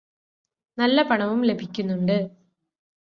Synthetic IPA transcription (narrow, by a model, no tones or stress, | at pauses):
nɐlːɐpɐɳɐʋumle̞bʱikʲːunːuɳɖɨ